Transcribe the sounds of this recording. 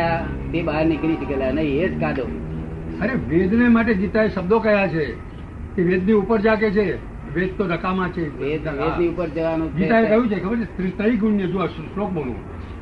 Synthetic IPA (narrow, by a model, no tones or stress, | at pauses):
a | bebaɦəɾniɡəɾiʈikelanəieʈkad̪o | əɾeʋed̪nemaʈ̬eɡit̪aeʃəbd̪okəjat͡ʃʰe | keʋed̪niupəɾd͡ʒaket͡ʃʰe | ʋed̪̚t̪oɾəkamãt͡ʃʰeed̪naeniupəɾd͡ʒəʋanũt͡ʃɡit̪aek̪əjũt͡ʃʰekʰəbəɾt͡ʃet̪ɾit̪əiɡuɳːjed͡ʒuasslok̚bolṵ̃